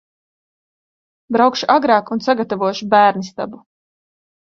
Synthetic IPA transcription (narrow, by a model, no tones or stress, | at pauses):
bɾawkʃuʔaɡɾaːkunsaɡat̪avuɔʃubæːɾnist̪a̰bu